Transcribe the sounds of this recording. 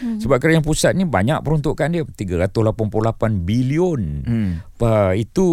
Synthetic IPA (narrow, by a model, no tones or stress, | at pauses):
səbap̚kəɾajaŋpusat̪̚niba̰ɲak̚pəɾunt̪ʊʔkandiət̪iɡaɾat̪ʊslapanplulapanbiliʊn | əit̪u